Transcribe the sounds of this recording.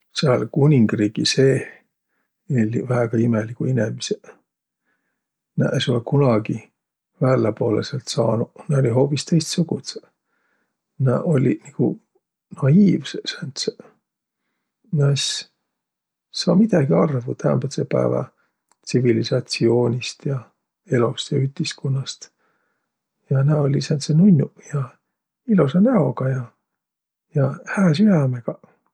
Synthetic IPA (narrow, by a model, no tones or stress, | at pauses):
seɑlkunʲiŋɡ̥riːɡ̥ise̞ː | elʲivæːɡ̥ɑimelikuinemise | næ̰ʔesulkunɑɡ̥i | væːlːepoːleselt̪sɑːnuneolʲiɦo̞ːpist̪ejst̪suɡ̥ut̪s | nɑʔo̞lʲiniɡ̥u | nɑiːvsesænt̪se | nɑs | sɑːmid̪̥ɑɡiɑrvut̪æo̰nmbɑt̪sepæ̰evɑ̰ | t̪sivilisɑt̪sio̞ːnʲist̪jɑ | e̞lost̪jɑyt̪iskunːɑst̪ | jɑnæolʲisænt̪senunʲːujɑ | iluseneo̞ɡ̥ɑjɑ | jɑhæːsyjæmeɡ̥ɑ